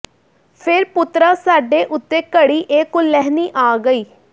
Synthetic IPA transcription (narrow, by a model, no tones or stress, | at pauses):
pʰɪɾpʊt̪ɾaːsaːɖeːʔʊt̪ːeːkəɽiːʔeːkʊlːɛːɦniːʔaːɡəiː